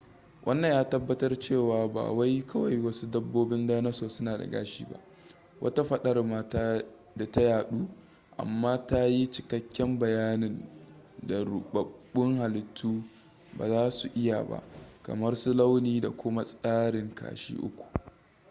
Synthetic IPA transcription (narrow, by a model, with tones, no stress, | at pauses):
wʔɐ˦nːɐ˨jaː˦tɐ˦bːɐ˦tɐ˦rt͡ʃeː˦˨waː˨ba̰ː˨wa˦jkʰɐ˦wa˨jwɐ˦su˦dɐ˦bːoː˦bɪ˦ndaː˦nɐ˦soː˨sʊ˦naː˨da̰˨ɡa̰ː˦ʃḭː˦ba̰˦ʔ | wʔɐ̰˦ta˦ɸɐ˦ɗɐ˦rma˦taː˦ | da˨ta˦jaː˨ɗuː˦ | ʔa̰˨mːaː˦ta˦ji˦t͡ʃɪ˨kɐ˦kʲːɛ˦mbɐ˨jaː˦nɪ˨nda˨ɽʊ˨ɓɐ˨bʊ˦ŋha˨lɪ˨tʰːuː˦ | ba̰ː˨zaː˦su˨ʔɪ˦ja̰˨ba̰˦ʔkɐ̰˨mɐ˦rsʊ˦la˦wniː˦da˨kʷʊ˦ma˦sʼaː˦ɽɪ˨ŋkʰa̰ː˨ʃḭː˦ʔʊ̰˦kʷu̥˨